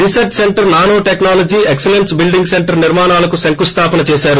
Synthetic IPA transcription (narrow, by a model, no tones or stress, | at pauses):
ɾisɐɾʈseɳʈɐɾnaːnoːʈeknaːlɐd͡ʒiːekselensbilɖiŋɡseɳʈɐɾniɾmaːnaːlɐkusɐŋkust̪ʰaːpɐnɐt͡ʃɛːsaːɾu